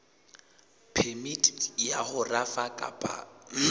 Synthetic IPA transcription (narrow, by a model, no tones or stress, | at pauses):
pʰɛmitʼjahʊrafakʼa̰pʼa̰m